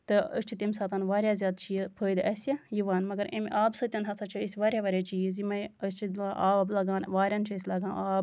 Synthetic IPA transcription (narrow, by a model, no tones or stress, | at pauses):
t̪ɨəst͡ʃʰit̪ɐmsaːt̪ɐnʋaːɾʲjazʲjaːd̪t͡ʃʰipʰəːjd̪ɐsʲɐjiʋaːnmɐɡɐɾḭmʔaːbsɨt̪ʲɐnɦɐsɐt͡ʃʰɐisʲʋaːɾʲjaʋɐɾʲat͡ʃʰiːzimɐəst͡ʃʰid̪ʔaːblɐɡaːnʋaːɾʲɐnt͡ʃʰɐisʲlɐɡaːnaːb